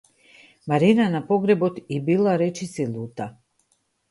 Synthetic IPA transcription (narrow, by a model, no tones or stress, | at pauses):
maɾinanapoɡɾebot̪ibilaɾet͡ʃisiluːt̪a